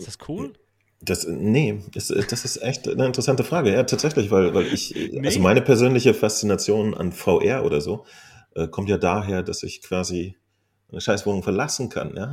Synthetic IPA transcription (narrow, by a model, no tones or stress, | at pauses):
askʰuːl | d̥asnəʔɪstɛ̰d̥asɪstʔɛçtnəɪntəʁɛsantəfʁ̥aːɡəjaːtʰaːtz̥ɛçlɪçv̥aɪlvaɪlʔɪ̰ç̰ʔalzomaɪnəpʰɛɐzøːnlɪçəfast͡sinat͡sjoːna̰nfaʊʔɛɐʔo̰ːɾɐzoː | ʔɛːkʰɔmtjaːdaːɦeːɐdasɪ̰çkv̥aːzi | ʔaɪnəʃaɪsv̥oːnʊŋfɛɐlasn̩kʰa̰njaː